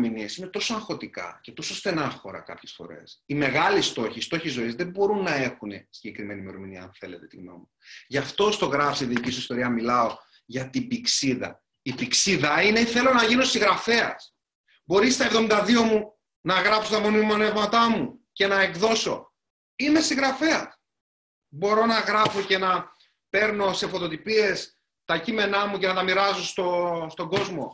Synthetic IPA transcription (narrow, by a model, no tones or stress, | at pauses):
miniesine̞t̪o̞so̞ɐ̃ŋxot̪ikɐ̰ce̞t̪o̞so̞st̪e̞nɐxo̞ɾɐ̰kɐ̰pçesfo̞̰ɾe̞̰sime̞ɣɐlist̪o̞çist̪o̞çizo̞izðe̞bo̞ɾunːɐe̞xune̞siɲɟe̞kɾime̞nime̞ɾo̞miniɐ̰ɐnθe̞le̞t̪e̞t̪ino̞̰mi | ʝɐft̪o̞st̪o̞ɣɾɐfsiiðiicisuist̪o̞ɾiɐmilɐo̞ | ʝɐt̪ibiksiðɐ̰ | ipiksiðɐine̞iθe̞lo̞nɐʝino̞siɣɾɐfe̞ɐ̰s | bo̞ɾist̪ɐevðomind̪ɐðio̞mu | nɐɣɾɐpso̞t̪ɐmonimonevmɐt̪ɐmuce̞nɐe̞kðo̞so̞̰ | ime̞sĩŋɣɾɐfe̞ɐt̪ | bo̞ɾo̞nɐɣɾɐfo̞ce̞nɐ | pe̞ɾno̞se̞fo̞t̪ot̪ipie̞s | t̪ɐcime̞nɐmuce̞nɐt̪ɐmiɾɐzo̞st̪o̞st̪o̞ɡo̞zmo̞̰